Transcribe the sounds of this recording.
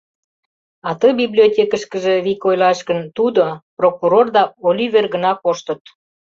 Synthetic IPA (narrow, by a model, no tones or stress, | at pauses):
ɑt̪ɤbiblʲiotʲekəʃkəʒeβikojlɑʃɣənt̪ud̪oprokuɾord̪ɑolʲyβerɣə̆nɑkoʃt̪ət̪̚